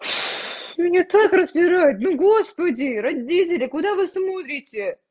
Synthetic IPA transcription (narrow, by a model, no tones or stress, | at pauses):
mʲɪnʲat̪akrəzbʲɪɾajʊt̪nʊɡo̞spədʲɪɾɐdʲitʲɪlʲɪkʊd̪avɨsmot̪ɾʲɪtʲɪ